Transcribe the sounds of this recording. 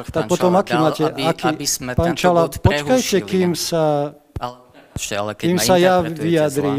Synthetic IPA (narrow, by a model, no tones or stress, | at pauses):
t̪akpɔt̪ɔmakiːmaːcɛakipaːnt͡ʃalapɔt͡ʃkajcɛkiːmsa | kiːmsajaːʋijad̪ɾiː